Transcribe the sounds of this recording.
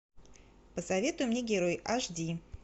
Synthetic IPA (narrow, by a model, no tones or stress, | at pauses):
pəsɐvʲe̞t̪ʊjʊmnʲeɡʲɪɾo̞jaʐdʲi